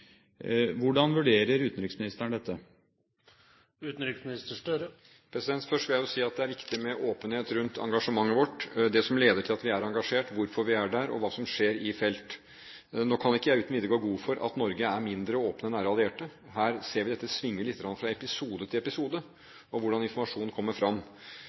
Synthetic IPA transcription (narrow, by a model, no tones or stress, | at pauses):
ʋʊɖɑnʋʉɖeːɾəɾʉːt̪n̩ɾɪksmɪnɪst̪əɳəd̪ɛt̪ːə | ʉːt̪n̩ɾɪksmnɪst̪əʂʈøɾə | pʰɾɛsɪd̪ɛnt̪fœʂʈʋɪljæɪjʊsiːɑt̪̚d̪ɛæɾʋɪkt̪ɪmɛʔoːpənheːt̪ɾʉnt̪ʰɑ̰ŋɡɑʂəmɑŋːəʋɔʈːd̪ɛsɔmleːd̪əʈʰɪlɑt̪ʋɪæɾɑŋɡɑʂeːʈʋʊɾfɔɾʋɪæɖæɾɔ̰ʋɑːsɔmʂeːɾɪfɛlt̪ | noːkʰɑnɛɪkːəjæʉːt̪nʋɪːd̪əɡoːɡuːfɔɾʔɑ̰t̪nɔɾɡəæɾmɪnd̪ɾəoːpnənæːɾəɑlˠɪeːʈə | ɦæːɾseːɾʋɪd̪ɛt̪ːəsʋɪŋːəlɪt̪ːəɡɾɑnfɾɑɛpɪsuːd̪ət̪ʰɪlɛpɪsuːd̪ə | ɔʋʊɖɑnɪnfɔɾmɑʂuːnnkʰɔmːəɾfɾɑmː